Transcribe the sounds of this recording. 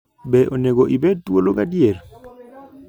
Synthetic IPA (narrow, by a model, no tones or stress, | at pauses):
bɛʔoneɡoʔibed̚twolokadiel